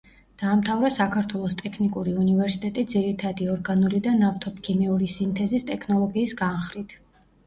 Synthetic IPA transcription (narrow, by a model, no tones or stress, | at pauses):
d̪̥aːmt̪ʰavɾasakʰaɾt̪ʰwɛlˠɔst̪ʼɛkʰnikʼuɾiunivɛɾsit̪ʼɛt̪ʼid̪ziɾit̪ʰad̪iɔɾɡanulid̪anaft̪ʰɔpkʰimɛuɾisint̪ʰɛzist̪ʼɛkʰnɔlˠɔɡiːsɡanχɾit̪ʰ